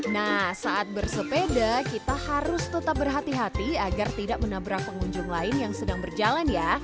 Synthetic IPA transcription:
nahsaʔat̪̚bərsəpedakit̪ahaɾʊst̪ət̪ap̚bərɦat̪iɦat̪iaɡart̪idaʔmənabɾak̚pəŋuɲd͡ʒʊŋlaɪnjaŋsədaŋbərd͡ʒalanja

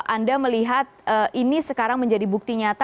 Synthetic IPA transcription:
ʔandaməliɦat̪̚əʔinisəkaɾaŋməɲd͡ʒadibuk̚t̪iɲat̪a

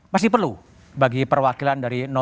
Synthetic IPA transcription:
mas̬ɪhpərlu | baɡipərwakilandaɾinɔ

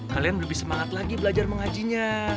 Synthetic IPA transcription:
halijanbələbihsəmaŋat̪laɡibəlad͡ʒarməŋad͡ʒiɲa

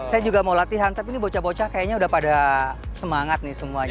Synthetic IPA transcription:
sajad͡ʒuɡamawlat̪iɦant̪apinibot͡ʃabot͡ʃakajaɲaudahpadasəmaŋat̪̚nɪsəmuaɲ

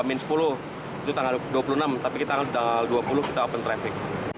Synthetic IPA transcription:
mɪnsə̥pulʊh | it̪ut̪aŋalduapulunamt̪apikit̪aŋadaŋalduapulʊhkit̪aapʊnt̪ɾafɪk̚

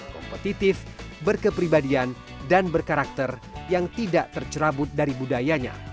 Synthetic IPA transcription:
kɔ̰mpət̪it̪ɪfbərkəpɾibadian | danbərkaɾak̚t̪ərjaŋt̪idaʔt̪ərt͡ʃəɾabʊt̪̚daɾibudajaɲa̰

